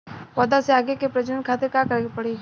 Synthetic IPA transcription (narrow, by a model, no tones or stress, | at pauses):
wɔd̪aseaːɡekepɾɐd͡ʒənənkʰaːt̪eɾkakɐɾɡepɐɽe